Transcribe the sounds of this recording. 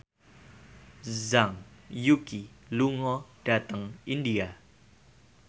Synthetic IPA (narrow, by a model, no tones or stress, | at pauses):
zaŋjukiluŋɔd̥at̪aŋindia